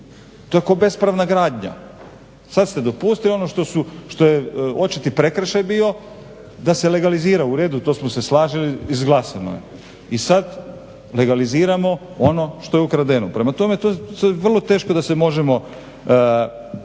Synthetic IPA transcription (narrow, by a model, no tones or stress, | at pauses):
t̪o̞jekabe̞spɾaʋnaɡɾaːd̪ɲa̰ | sad̪st̪e̞d̪o̞puːst̪ilio̞noʃt̪o̞suʃt̪o̞jeo̞t͡ʃit̪ipɾe̞kɾeʃajbiːo̞ | d̪ase̞le̞ɡaliziːɾauɾe̞ːd̪ut̪o̞ːsmose̞slˠaːʒiliizɡlˠasano̰jḛ | isad̪ | le̞ɡaliziːɾamo̞ | o̞no̞ʃt̪o̞jeukɾad̪e̞nupɾe̞mat̪o̞me̞t̪oaʋr̩lˠo̞t̪e̞ːʃkod̪ase̞mo̞ʒemo̞